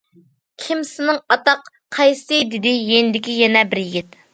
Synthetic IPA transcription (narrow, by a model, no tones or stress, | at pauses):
kʲʰimsɪnɨŋɑt̪ɑq | qʰɑjst̪ɨd̪ɪd̪ɪjenɪd̪ɪkʲijɛnɛbɪɾjiɡʲit̪